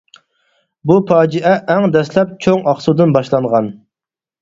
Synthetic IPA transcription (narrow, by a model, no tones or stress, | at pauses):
bupɑːd͡ʒiʔɛʔːŋd̪ɛslɛp̚t͡ʃʰoŋɑχsud̪ɨnbɑʃlˠɑɴʁɑn